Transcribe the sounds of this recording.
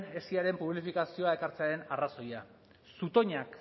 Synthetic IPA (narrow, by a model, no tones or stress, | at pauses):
ne̞siaɾe̞mpuβ̞lifikasio̞ae̞kaɾt͡se̞aɾe̞naraso̞ja | sut̪o̞ɲak